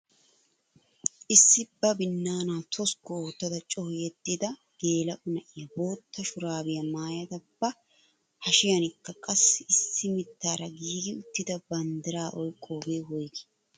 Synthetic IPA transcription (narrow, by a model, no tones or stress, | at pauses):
ʔɪsːɪbɐbɪnːaːnaːt̪ʰɔskːɔoːt̪ːɐd̪ɐt͡ʃʼɔhjɛd̪ːɪd̪ɐ | ɡ̥e̞ːlɐʔʊnɐʔɪjɐbo̞ːt̪ːɐʃʊɾaːbɪjɐmaːjɐd̪ɐbːɐ | hɐʃɪjɐnɪkːɐkʼɐsɪɪsːɪmɪt̪ːaːɾɐɡiːɡɪʊt̪ːɪd̪ɐbɐnd̪ɪɾaːʔɔjkʼːoːɡeːwɔjɡɪ̥